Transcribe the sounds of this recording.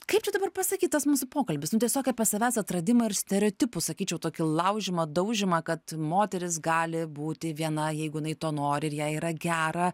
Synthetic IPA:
kɐɪpt͡ʃʲɛd̪ɐbɐrpɐsɐkʲiːt̪t̪ɐsmuːsʊpoːkɐlʲbʲɪsnʊt̪ʲiɛsʲoːkʲɛpɐsʲɐʋʲæːsɐt̪rɐd̪ʲɪmɐɪɾsʲt̪ʲɛɾʲɛoːt̪ʲɪpʊsɐkʲiːt͡ʃʲɛʊt̪oːkʲɪlˠɐʊʒʲɪmɐd̪ɐʊʒʲɪmɐkɐt̪moːt̪ʲɛɾʲɪsɡɑːlʲɪbuːt̪ʲɪʋʲiɛnɐjɛɪɡʊjɪnɐɪt̪oːnoːɾʲɪɪɾjæːiːɾɐɡʲæːɾɐ

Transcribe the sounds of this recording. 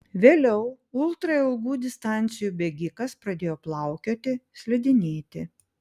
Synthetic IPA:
ʋʲeːlʲɛʊ | ʊlˠt̪ɾɐɪlˠɡuːd̪ʲɪst̪ɑˑnʲt̪sʲɪjuːbʲɛɡʲɪkɐspɾɐd̪ʲeːjoːplˠɐˑʊkʲoːt̪ʲɪsʲlʲɛd̪ʲɪnʲeːt̪ʲɪ

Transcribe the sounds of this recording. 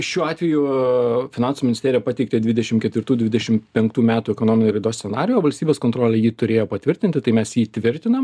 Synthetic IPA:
ʃʲuːɑːt̪ʲʋʲɛjʊfʲɪnɑnsumʲɪnʲɪsʲt̪ʲeːɾʲɪjɛpɑːt̪ʲɛɪkt̪ʲed̪ʲʋʲɪd̪ʲɛʃʲɪmkʲɛt̪ʋʲɪɾt̪uːd̪ʲʋʲɪd̪ʲɛʃʲɪmpʲɛŋkt̪uːmʲæːt̪uːɛkoːnoːmɪnʲoɪɾɐɪd̪oːsʲsʲɛnɑ̰ːɾʲɪjuoːʋɐlʲsʲt̪ʲiːbʲeːskont̪ɾoːlʲɛjiːt̪ʊɾʲeːjoːpɐt̪ʲʋʲɪɾʲt̪ʲɪnʲt̪ʲɪt̪ɐɪmʲɛsjiːt̪ʲʋʲɪɾʲt̪ʲɪnɐm

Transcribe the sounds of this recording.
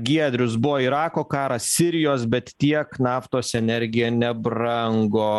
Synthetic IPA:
ɡʲiɛd̪ʲɾʲʊsbʊʋoːiɾɑːkoːkɑːɾɐsʲɪɾʲɪjoːsbʲɛt̪t̪ʲiɛknɑːft̪oːsɛnʲɛɾʲɡʲɪjɛːnʲɛbɾɐŋɡoː

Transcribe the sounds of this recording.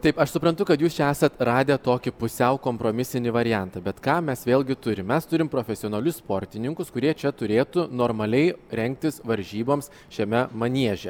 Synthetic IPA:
t̪ɐɪpɐʃsʊpɾɐnt̪ʊkɐt̪juːst͡ʃʲɛæːsɐt̪ɾɑːd̪ʲet̪oːkʲɪpʊsʲɛʊkoːmpɾoːmʲɪsʲɪnʲɪʋɐɾʲɪjɛnt̪ɐbʲɛt̪kɑːmʲɛsʋʲeːlʲˠɡʲɪt̪ʊɾʲɪmmʲɛst̪ʊɾʲɪmpɾoːfʲɛsʲɪoːnɐlʲʊsspoːɾʲt̪ʲɪnʲɪŋkʊskʊɾʲiɛt͡ʃʲɛt̪ʊɾʲeːt̪ʊnoːɾmɐlʲɛɪɾʲɛŋʲk̚t̪ʲɪsʋɐɾʲʒʲiːboːms | ʃʲɛmʲɛmɐnʲiɛʒʲɛ

